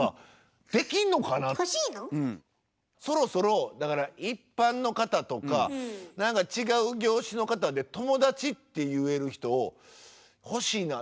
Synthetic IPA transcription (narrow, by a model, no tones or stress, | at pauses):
a | d̪̥e̞kʲinːo̞kanaiːnoɯ̟̃ | so̞ɾo̞so̞ɾo̞d̪akaɾaipːãnːo̞kat̪at̪o̞kanãŋkat͡ɕiɡaɯ̟ɡʲo̞ːɕino̞kat̪ad̪e̞t̪o̞mo̞d̪at͡ɕit̪ːe̞jɯ̟e̞ɾɯ̟çi̥t̪o̞ː | ho̞ɕiːna